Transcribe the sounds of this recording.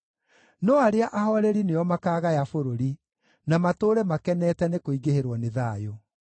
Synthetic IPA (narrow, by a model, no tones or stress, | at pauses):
nɔaɾeaʔahɔɾɛɾineɔmakaːɣajafoɾoɾi | namatoːɾɛmakɛnɛtɛnekoiɣeheɾwɔneðajo